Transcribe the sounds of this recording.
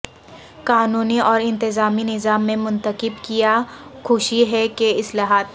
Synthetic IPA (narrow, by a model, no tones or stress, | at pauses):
kaːnuːniɔːɾɪ̃nt̪ɪzaːminɪzaːmːẽmʊ̃nt̪əqɪbkijakʰʊːʃiɦɛkeɪslaːɦaːt̪̚